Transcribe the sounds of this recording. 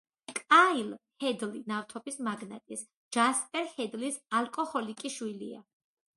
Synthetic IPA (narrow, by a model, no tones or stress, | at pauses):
kʼailhɛd̪linaft̪ʰɔbismaɡnat̪ʼis | d͡ʒ̥aspʼɛɾhɛd̪lisalkʼɔhɔlikʼiʃwilḭa̰